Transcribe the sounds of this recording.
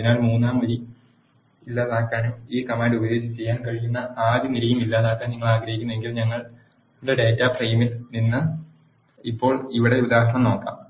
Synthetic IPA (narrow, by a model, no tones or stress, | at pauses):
ɐðinaːɭmuːnːaːmʋɐɾi | ilːaːðaːkːaːnumiːkɐmaːndubɐjo̞ːd͡ʑt͡ɕːe̞jːaːnkɐɻijunːɐaːd̪jɐniɾijumilːaːðaːkːaːnɲiŋːɐɭaːɡɾɐhikʲːunːue̞ŋɡilɲɐŋːɐɭ | leɖe̞ːtːaːprejmilninːɨ | ipːo̞ːɭiʋiɽe̞ud̪aːɦɳɐmno̞ːkːa̰ːm